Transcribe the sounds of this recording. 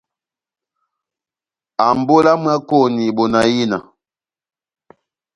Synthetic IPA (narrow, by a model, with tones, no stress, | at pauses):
a˨m˨bo˦la˦mwa˦ko˦˨ni˨ɓo˨na˨ji˦na̰˨